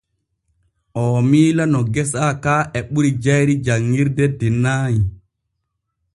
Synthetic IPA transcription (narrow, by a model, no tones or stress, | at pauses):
ʔɔːmiːlanɔɡɛsakaːʔɛɓuɾid͡ʒajɾid͡ʒaŋːiɾdɛdɛnaːji